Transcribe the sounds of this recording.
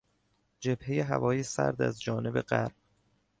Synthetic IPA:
d͡ʒe̞bhejeɦæ̰vɒːjesæ̰ɾd̪æzd͡ʒɒːne̞be̞ɢæɾb̥

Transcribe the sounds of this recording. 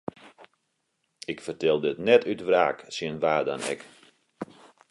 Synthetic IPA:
ɪkfərtɛlˠdəətnɛtʰytʋra̰ːksənʋaːda̰nɛ̰k

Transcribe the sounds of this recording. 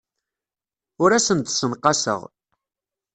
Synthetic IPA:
ʊɾæsənt̪sənqɑsə̰ʁ

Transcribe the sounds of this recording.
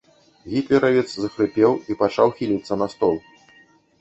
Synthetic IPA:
ɣʲit̪lʲɛɾɐvʲɛt̪szɐxɾɨpʲɛwipat͡ʂawxʲilʲit̪sːɐnɐst̪ɔlˠ

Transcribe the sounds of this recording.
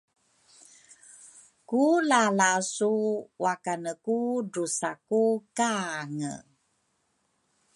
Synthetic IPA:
kulalasuwakanəkudusakukaŋə̰

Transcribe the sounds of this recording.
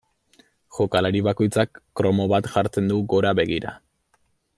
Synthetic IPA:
ʝo̞kalaɾiβako̞jt͡sakːɾo̞mo̞βat̪ʝaɾt͡se̞nd̪uɣo̞ɾaβe̞ɣ̞iɾa̰

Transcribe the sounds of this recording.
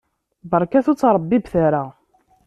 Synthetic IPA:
bəɾˤkæθut͡sːɾˤəbːibθaɾa

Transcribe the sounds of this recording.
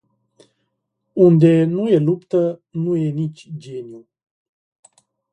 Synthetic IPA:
und̪e̞nuje̞lupt̪ənuje̞nit͡ʃʲd͡ʒeniu

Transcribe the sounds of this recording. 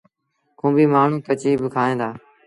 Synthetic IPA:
kũːbiːmaːɳ̤ũːkət͡ʃiːbɪkʰaːɦẽːd̪aː

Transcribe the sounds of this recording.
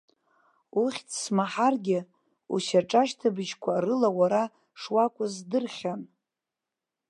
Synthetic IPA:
uχʲtʰsmaħarɡʲɪ | ṵʃaʈ͡ʂʼaʃtʰabɨʒkʷʰaːrɨlawaɾa | ʂwakʷʼʊzdɨrχʲan

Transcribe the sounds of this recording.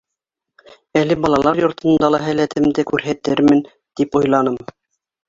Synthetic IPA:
ælɘbɑlˠɑlˠɑɾjŏɾt̪ɤ̆nd̪ɑlˠɑɦælæt̪ʰɘ̆md̪ɘkʉɾɦæt̪ɘɾmɘn | t̪ipujlˠɑnɤm

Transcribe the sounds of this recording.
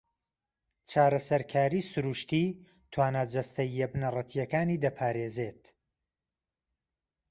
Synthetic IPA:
t͡ʃʰaːɾɐsɐɾkʰaːɾiːsuɾuːʃt̪iː | t̪ʰwaːnaːd͡ʒɐst̪ɐjːɛbnɐrˤɐt̪ʰijɐkaːniːd̪ɐpʰaːɾeːzeːt̪

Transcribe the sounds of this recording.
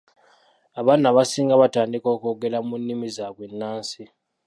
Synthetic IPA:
aβanaβasiːŋɡaβataːndikoːkoɡelamunːimizakwenːaːnsi

